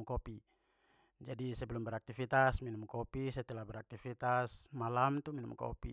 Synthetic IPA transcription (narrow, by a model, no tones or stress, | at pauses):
mkɔpi | d͡ʒadisɛbɛlumbɛɾak̚t̪ifit̪asminumkɔpisat̪ɛlabɛɾak̚t̪ifit̪asmalamt̪uminṵmkɔ̰pḭ